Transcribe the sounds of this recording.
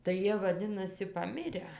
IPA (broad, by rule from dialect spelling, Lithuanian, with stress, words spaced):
tɐɪ ˈjiɛ ʋɐˈdʲɪnɐsʲɪ pɐˈmʲɪrʲæː